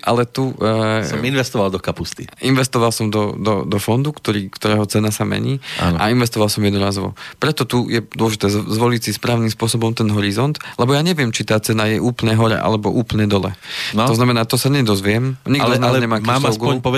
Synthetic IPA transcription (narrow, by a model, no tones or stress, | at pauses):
ʔa̰lɛt̪usɔminʋɛst̪ɔʋalˠd̪ɔkapust̪iʔinʋɛst̪ɔʋalsɔmd̪ɔd̪ɔd̪ɔfɔnd̪ukt̪ɔɾiːkt̪ɔɾɛːɦɔt͡sɛnasamɛ̰ɲiːa̰nʔa̰inʋɛst̪ɔʋalˠsɔmjɛd̪nuɾaːzʋɔ̰pɾɛt̪ɔt̪ujɛd̪ʊɔlɔʒit̪ɛːzʋɔlicsispɾaːʊnimspʊɔsɔbɔmt̪ɛnɦɔɾizɔnt̪lɛbɔjaːɲɛʋɪɛmt͡ʃit̪aːt͡sɛnajɛʔuːplɲɛːɦɔɾɛ̰ʔa̰lɛbɔʔuːplɲɛd̪ɔlɛ̰t̪ɔznamɛnaːt̪ɔsaɲɛd̪ɔzʋɪɛmɲiɡdnaɲɛmaːkaaɔsɡuɔpɔɛ